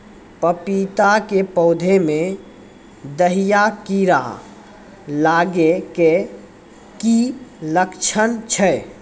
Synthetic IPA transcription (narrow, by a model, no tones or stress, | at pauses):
pəpit̪akepɔʊd̪ʱemẽ | d̪əɦijakiɾa̰ | laːɡeke | kiləkt͡ʃʰənt͡ʃʰɛ